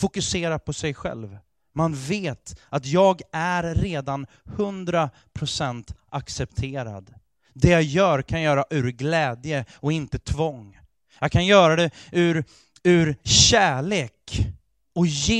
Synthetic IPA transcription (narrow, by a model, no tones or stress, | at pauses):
fʊkɵseːɾapʰɔsɛjɧɛ̰lv | manveːt̪at̪jɑːɡæɾːeːd̪an | hɵnd̪ɾa | pʰɾʊsɛnt̪ʔaksɛpt̪ʰeːɾa̰d̪ | d̪ɛjajœːɾkʰanjœːɾaʔʉ̟ɾɡlɛːd̪jəɔɪnt̪ət̪ʰvɔŋ | jɑkʰanjœːɾad̪ɛʉɾ | ʉɾɕæːɭeːk | ɔje